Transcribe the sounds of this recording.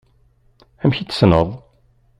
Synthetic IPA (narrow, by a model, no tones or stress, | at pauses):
æmçit͡sːə̥snəðˤ